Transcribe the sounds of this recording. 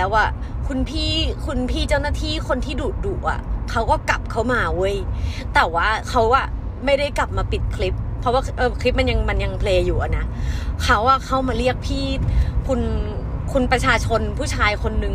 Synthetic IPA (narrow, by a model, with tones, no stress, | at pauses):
lɛː˦˥waː˥˩kʰu˧npʰiː˥˩kʰu˧npʰiː˥˩t͡ɕa˥˩wnaː˥˩t̪ʰiː˥˩kʰo˧nt̪ʰiː˥˩duː˨˩t̪̚duː˨˩ʔa̰˨˩kʰa˦˥wkɔː˥˩kla˨˩p̚kʰa˦˥wmaː˧wɤ˨˦˥jt̪ɛː˨˩waː˥˩kʰa˦˥waː˥˩ma˥˩jda˥˩jkla˨˩p̚maː˧pi˨˩t̪̚kʰli˦˥p̚ʰːɔ˦˥waː˥˩ʔɤː˧˩kʰli˦˥p̚ma˧nja˧ŋma˧nja˧ŋpʰleː˧juː˨˩ʔa˨˩na˦˥kʰa˦˥wʔa˥˩kʰa˦˥˩wmaː˧li˥˩ək̚pʰiː˥˩kʰu˧n | kʰu˧npɾa˧t͡ɕʰaː˧t͡ɕʰo˧npʰuː˥˩t͡ɕʰaː˧jkʰo˧nːɯ˨˩ŋ